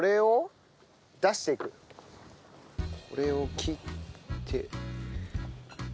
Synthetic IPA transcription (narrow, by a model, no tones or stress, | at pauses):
oɾe̞o | d̪aɕi̥t̪ekɯ̟ | kʰo̰ɾe̞okʲʰiːt̪ʰːḛ